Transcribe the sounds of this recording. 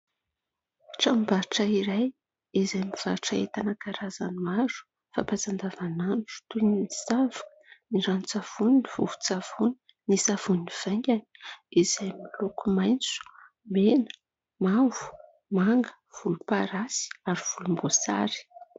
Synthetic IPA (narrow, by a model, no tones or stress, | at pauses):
ʈ͡ʂambaʈ͡ʂaiɾaj | izajmiv̥aɾʈ͡ʂaet̪anakaɾazanuaɾu̥ | fapat͡sand̪avananʈ͡ʂu̥t̪unnisavu̥əniɾanut͡sav̥uninivuvu̥t͡sav̥uni | nisav̥uniiv̥aŋɡʲani̥izajmilokumajnt͡su̥ | menə̥ | mavu̥ | maŋɡə̥ | v̥ulupaɾasi̥aɾiv̥ulumbosa̰ɾi̥